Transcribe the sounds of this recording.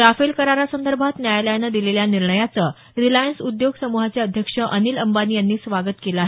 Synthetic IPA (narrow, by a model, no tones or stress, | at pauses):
ɾafelkəɾaɾasənd̪əɾbʱat̪njajaləjanəd̪ileljaniɾɳəjat͡sə | ɾilajənsud̪joɡsəmuɦat͡sjaəd̪ʱjəkʂəʔəniːləmbanijanːiːsʋaɡət̪kelaːɦe